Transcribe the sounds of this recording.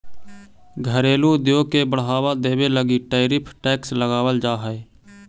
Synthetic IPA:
ɡʱəɾeːluːd̪joːkeːbəɽɦaːʋaːd̪eːʋeːləɡiːʈaːɪɾɪpʰʈɛːksləɡaːʋəld͡ʒaːɦəeː

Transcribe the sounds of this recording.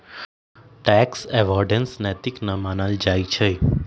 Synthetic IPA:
ʈɛksɛʋɔɾɖənsnɛt̪iknəmanald͡ʒajt͡ʃʰe

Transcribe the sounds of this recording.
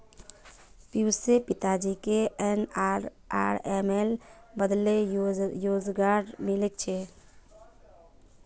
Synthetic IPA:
pjuːsepɪt̪ad͡ʒikeen | aːɾemel | bəd̪lejoːd͡ʒɡaːɖmɪlek̚t͡ʃʰeː

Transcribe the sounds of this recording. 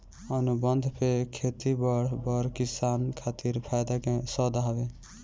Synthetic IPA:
ənubənd̪ʱpʰekʰet̪ibəɽbəɾkisankʰat̪iɾpʰajd̪akesɔd̪aɦabe

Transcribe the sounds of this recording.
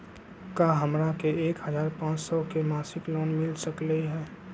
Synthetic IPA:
kaːɦəmɾakeeːkɦəzaːɾpãːt͡ʃsɔkemaːsɪkloːnmɪlsəkleiɦɛː

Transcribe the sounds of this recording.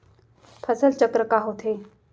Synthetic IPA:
pʰəsəlt͡ɕəkɾəkaɦot̪ʰe

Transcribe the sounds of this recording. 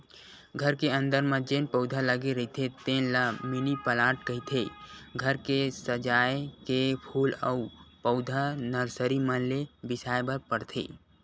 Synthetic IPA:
ɡʱəɾkeə̃nd̪əɾmə̃d͡ʒeːnpəʊd̪ʱaləɡeɾəɦit̪ʰet̪ẽːnlamɪnipəlaːʈ̚kəɦit̪ʰeɡʱəɾkesəd͡ʒaːekepʰuːləupəʊd̪ʱanəɾsəɾimənlebɪsaːjbəɾpəɽt̪ʰḛː

